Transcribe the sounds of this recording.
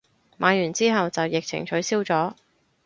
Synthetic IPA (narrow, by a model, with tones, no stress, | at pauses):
maː˨˧jyː˨˩nt͡siː˥ɦɐ˨wt͡sɐ˨wjɪ˨k̚t͡sʰɪ̰˨˩ŋt͡ʃʰɵ˨˥ɥsiː˥wt͡sɔː˨˥